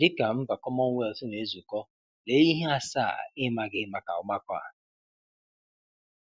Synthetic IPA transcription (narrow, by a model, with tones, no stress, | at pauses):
dɪ˦ka˨m̩˦ba˨kɔ˦mɔ˦ŋ̩˦we˦˨ltʊ˦ne˨e˦zu˨kɔ˦ | le˦i˦ɦe˦a˦sa̰˦˨ɪ˦ma˨ɡɪ˦ma˨ka̰˨ʊ˨ma˦kɔ˦a̰˨